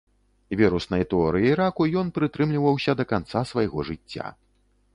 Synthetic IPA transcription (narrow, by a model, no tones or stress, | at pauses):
vʲɛɾusnɐjt̪ɛɔɾɨjiːɾakujɔnpɾɨt̪ɾɨmlʲivɐwsʲɐd̪ɐkant̪sasvɐjɣɔʐɨt͡sʲːa̰